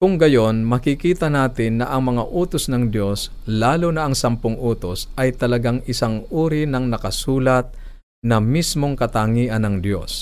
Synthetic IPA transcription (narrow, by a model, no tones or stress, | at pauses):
kʊŋɡɐjo̞nmɐkɪkiːt̪ɐnaːt̪ɪnːɐʔɐŋmɐŋaʔuːt̪osnɐŋd̪jo̞s | laːlonɐʔɐŋsɐmpʊŋʔuːt̪osʔɐjt̪ɐlɐɡaŋɪsaŋuːɾɪnɐŋnɐkɐsuːlɐt̪̚ | nɐmismoŋkɐt̪aŋiːʔɐnɐŋd̪jo̞̰s